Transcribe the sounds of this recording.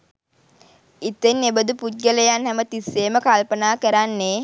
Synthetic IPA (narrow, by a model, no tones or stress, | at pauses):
it̪enːebəd̪uput̪̚ɡələjanhæmət̪isːeːməkalpənaːkəɾanːe